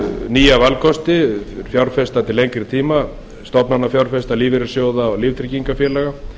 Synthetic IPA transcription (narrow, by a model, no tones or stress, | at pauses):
niːjavalkʰɔst̪ɪɪɾ̥fjawɾfɛst̪at̪ʰɪlejŋkɾɪt̪ʰiːma | st̪ɔpnanːafjawɾfɛst̪aliːvɪɾɪ̥sjoːwðaɔɣlift̪ʰɾiciŋkafjɛːlɛɣa